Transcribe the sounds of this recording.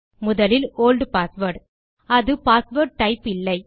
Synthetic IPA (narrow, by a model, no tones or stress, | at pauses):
mʊðɐlɪloːlɖpaːsʋɐɾʈ | ɐðɯpaːsʋɐːɾʈ̚ʈɐɪpɪlːɐɪ